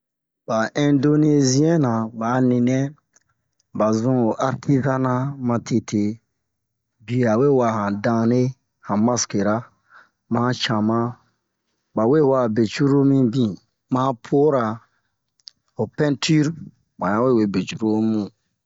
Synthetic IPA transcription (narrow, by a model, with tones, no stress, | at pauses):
ba˨ʔɛ̃˨ndo˦ne˦zi˦ɛ̃˦nã˨ba˨˦nĩ˨nɛ̃˦ | ba˨zũ˦o˨ʔa˨ɾtʰi˦zã˦nã˦mã˧tʰe˨tʰe˨ | bi˨a˨we˦˨wa˨hã˨dã˧ne˦ | hã˨mã˦ske˨ɾa˦ | mã˦t͡ʃã˨mã˦ | ba˨we˦˨wa˨be˨t͡ʃu˦ɾo˦mĩ˦bĩ˦ | mã˦pʰo˦ɾa˨ | o˨pɛ̃˦ntʰi˦ɾ | mã˨ã˦we˦˨we˨be˨t͡ʃu˦ɾo˦mũ˦